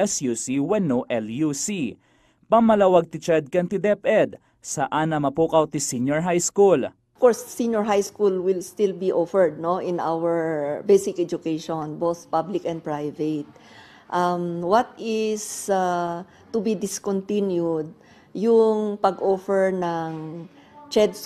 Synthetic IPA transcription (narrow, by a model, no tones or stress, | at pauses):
ɛsjusiwɛnoʔɛljusi | pɐmɐlawɐɡ̚t̪ɪt͡ʃɛd̪̚kɐnt̪ɪd̪ɛpʔɛd̪̚ | sɐʔaːnɐmɐpukɐwt̪ɪsinjɔɹɦajskul | fkɔɹsːinjɔɹɦajskulwɪlst̪ɪlbiʔofɛɹd̪̚noʔɪ̃na̰wɛɹbejsɪkɛd͡ʒʊkeʃonbowθpablɪkɛ̃nd̪̚pɹajvɛt̪̚ | ʔamwɐt̪̚ɪsa | t̪ʊbid̪ɪskɔnt̪ĩnjud̪̚ | jʊŋpɐɡʔofɛɹnɐŋ | t͡ʃɛd̪̚s